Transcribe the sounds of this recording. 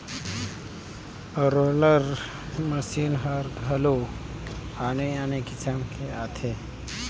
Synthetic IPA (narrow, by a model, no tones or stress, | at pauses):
ɾoləɾ | məsiːnɦəɾɡʱəlo | aneanekɪsamkʰeat̪ʰe